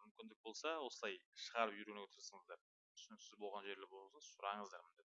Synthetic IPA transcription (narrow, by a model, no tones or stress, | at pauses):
mʏmkʲɪnd̪ɪk̚bo̞lˠsɑwo̞səlˠɑjʃəʁɑɾəpʒʏɾɡʲeɡʲet̪ʰəɾsəɴəzd̪ɑɾ | t̪ʰʏ̥sɪnɪksɪzbo̞lˠʁɑnʒe̞ɾlɪbo̞lˠsɑsʊɾɑɴəzd̪ɑɾmɪnd̪e